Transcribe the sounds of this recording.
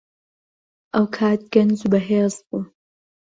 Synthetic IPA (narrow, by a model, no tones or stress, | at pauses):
ʔɐwkʰaːt̪̚ɡ̥ɐnd͡zubɐɦeːzbuː